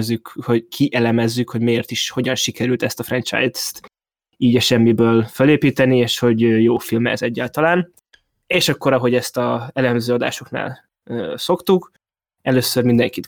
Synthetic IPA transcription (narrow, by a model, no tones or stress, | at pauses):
zːykho̞ɟkʰiʔɛlɛmɛzːykho̞ɟmejeːrt̪iʃho̞ɟɒnʃikɛɾylt̪ɛst̪ɒfrɛnt͡ʃa̰jst̪ | iːɟɒʃɛmːibøːlføleːpiːt̪ɛnieːʃho̞ɟøjoːfilmɛ̰zɛɟːaːlt̪ɒlaːn | eːʃɒkːo̞ɾɒɦo̞ɟɛst̪ɒɛlɛmzøːɒd̪a̰ːʃo̞kna̰ːlː | so̞kt̪uk | ɛløːsːørmind̪ɛŋkit̪